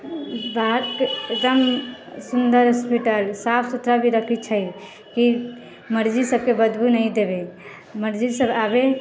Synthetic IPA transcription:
baɦt̪kd͡ʒəm | sund̪əɾɦəspiʈəlsapʰsut̪ɾabʱiɾəkʰit͡ʃʰəj | ki | məɾd͡ʒisəb̚kebəd̪bunəjd̪ebe | məɾd͡ʒisəbabe

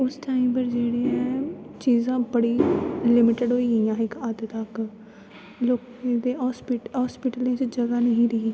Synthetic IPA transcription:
ʊsʈaːimbəɾd͡ʒeːɽeːɛ̃ːt͡ʃiːzãːbəɽiːlɪmɪʈəɖɦoːiːijãːɪkəd̪t̪ək | loːkẽːd̪eːɦɔːspɪʈɦɔːspɪʈəlẽːt͡ʃd͡ʒəɡaːnəɦĩːɾɪɦiː

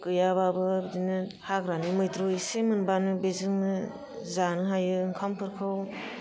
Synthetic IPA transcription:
kɯjababɯbdinɯhaɡɾanimɯjtɾoisemɯnbanɯbezɯŋnɯ | zanɯɦajɯŋkʰampʰɯɾkʰɯw

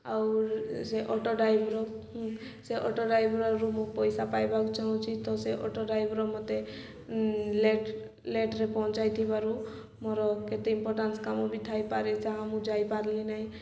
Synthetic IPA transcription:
awseʔɔʈɔɖajbɾɔ | seʔɔʈɔɖajbɾɔɾumupɔjsapajbakt͡ʃaɦɔ̃t͡ʃʰit̪ɔseʔɔʈɔɖajbɾɔmɔt̪e | le | leʈɾepɔɦt͡ʃajt̪ʰibaɾu | mɔɾɔket̪eimpɔɾʈanskamɔbit̪ʰajpaɾet͡ʃʰaamũd͡ʒajpaɾlinaɦĩ

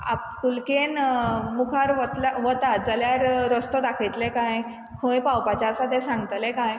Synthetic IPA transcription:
a̰p̚kulkenmukʰaɾʋət̪laʋət̪ad͡zəljaɾːəst̪ɔd̪akʰəjt̪lekaj | kʰõjpawpat͡ɕaəsat̪ɛsãŋɡt̪lekaj

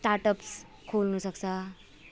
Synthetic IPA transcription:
ʈaɾʈʌps | kʰolnusʌkt͡sʰʌ

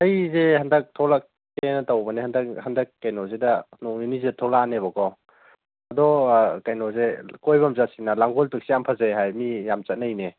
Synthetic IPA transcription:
ɐjzehandɐk̚tʰɔlak̚ː | enɐtawbɐnihandɐkɦɐndɐkːajnɔzedɐnɔŋ̚ninizedɐtʰɔlaneβɔkaw | ɐdɔkajnɔzekɔjbɐmzasinɐlaŋɡɔltuk̚siampʰazaɦajmijamt͡ʃɐt̚najne

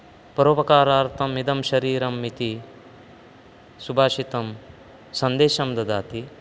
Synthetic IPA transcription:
pɐɾoːpɐkaːɾaːɾt̪ʰɐmid̪ɐmʃɐɾiːɾɐmːit̪i | subʱaːʃit̪ɐm | sɐnd̪eːʃɐmd̪ɐd̪aːt̪i

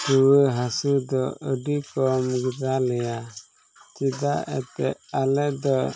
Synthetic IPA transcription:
tuwəɦasud̪ɔəɖikɔmuɡdalɛja | t͡ʃid̪aɛ̰t̪ɛ̰alɛd̪ɔ

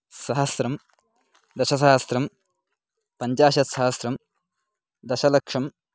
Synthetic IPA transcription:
sɐɦɐsɾɐm | d̪ɐʃɐs̬aɦɐsɾɐm | pɐɲt͡ʃaːʃɐt̪sɐɦɐsɾɐm | d̪ɐʃɐlɐkʂɐm

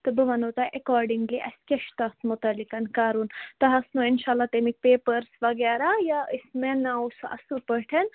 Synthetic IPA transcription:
t̪ɨbɨʋɐnot̪aʔekɔːɾɖiŋɡliʔɐskʲeʃt̪ɐt̪ʰmʊt̪ɐlːikɐnkaːɾunt̪ɐɦɐsnuɪnʃaːlːat̪emik̚peːpəɾsʋɐɡɛːɾajaismenawsɐ̰supəʈʰɐn

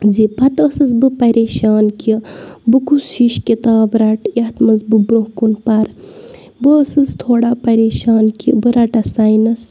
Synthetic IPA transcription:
zipʰɐt̪əsɨsbɨpɐɾeːʃaːnkibɨkushiʃkʲit̪aːbɾɐʈjɐht̪mɐzbɨbɾohkunpɐɾ | bɨəsɨst̪ʰoːɽapɐɾeːʃaːnkḭbɨɾɐʈɐsajnɐs

